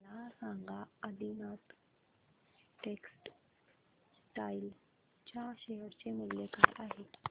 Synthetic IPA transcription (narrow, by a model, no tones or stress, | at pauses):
lasãŋɡʱaəd̪inat̪ | ʈeksʈ | sʈail | t͡ɕaɕeɦəɾt͡ɕemilːjekajʔaɦe